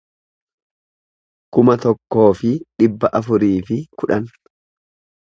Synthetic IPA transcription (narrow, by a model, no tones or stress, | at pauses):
kʊmɐt̪ɔkːo̞ːfɪᶑɪbːɐʔɐfʊɾiːfɪkʊᶑɐn